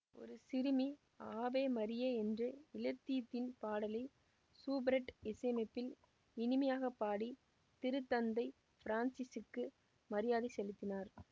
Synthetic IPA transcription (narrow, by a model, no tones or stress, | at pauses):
ʔɔ̰ɾɯsɪɾɯmi | aːbeːmɐɾɪjeːɛndrɯɪlɐt̪ːit̪ːɪnpaːɽɐlɐɪ | suːbɾɛʈɪsɐmɐɪpːɪl | ɪnɪmɐjaːɣɐpːaːɽi | t̪ɪɾɯt̪ːɐnd̪ɐɪ | fɪɾaːnsɪsɯkːɯ | mɐɾɪjaːðɪsɛlɪt̪ːɪnaːɾ